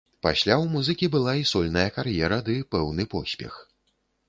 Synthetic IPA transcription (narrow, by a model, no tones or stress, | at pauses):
pa̰sʲlʲawmuzɨkʲibɨlˠaisɔlʲnɐjɐkarjɛɾɐd̪ɨpɛwnɨpɔsʲpʲɛ̰x